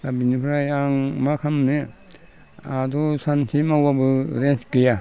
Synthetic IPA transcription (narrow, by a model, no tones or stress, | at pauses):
abinipʰɾajaŋmakʰamne | adɔsansʰimawabɯɾenskɯja